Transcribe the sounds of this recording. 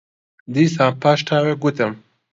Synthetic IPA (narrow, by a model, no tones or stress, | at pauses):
d̪isãːpaːʃʈʰaːweɡut̪ɐm